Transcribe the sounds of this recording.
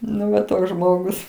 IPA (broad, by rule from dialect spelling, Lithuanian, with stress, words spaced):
ˈnʊ ʋɐ ˈtoːks ˈʒmoːɡʊs